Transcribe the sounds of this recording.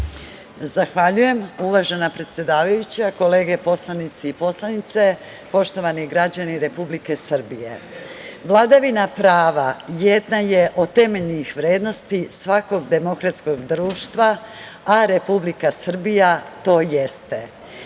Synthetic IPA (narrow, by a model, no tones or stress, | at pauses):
zaxʋaʎuje̞muʋaʒe̞napɾe̞t̪sʲje̞d̪aːʋajut͡ɕako̞leːɡe̞po̞slˠanit̪siipo̞slˠanit̪se̞ | po̞ʃt̪o̞ʋaniɡɾad͡ʑaniɾe̞publike̞sr̩bijḛʋlˠad̪aʋinapɾaːʋajed̪naje̞ʔo̞t̪e̞meʎnixʋɾeːd̪no̞st̪isʋako̞ɡd̪e̞mo̞kɾat̪sko̞ɡd̪ɾuːʃt̪ʋaː | ɾe̞publikasr̩bijat̪o̞ːje̞st̪e̞